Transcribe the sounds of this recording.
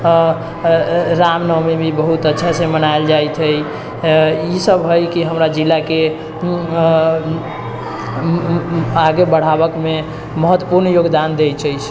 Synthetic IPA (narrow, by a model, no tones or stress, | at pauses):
ɾamnəmebʱibəɦut̪ətːʃʰasẽmənaeld͡ʒajt̪ʰəj | isəbɦojkiɦəmɾad͡ʒilːake | aɡebəɽ̤aβəkme | məɦət̪ːwəpuɾnjoɡd̪and̪et͡ʃʰəjt͡ʃʰ